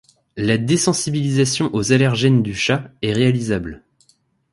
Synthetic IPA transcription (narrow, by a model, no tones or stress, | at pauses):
lad̪esɑ̃sibilizasjɔ̃ʔozalɛʁʒɛnd̪yʃaɛʁealizabl